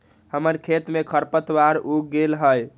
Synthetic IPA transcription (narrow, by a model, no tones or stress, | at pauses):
həməɾkʰet̪mekʰəɾpət̪waɾuɡelɦəj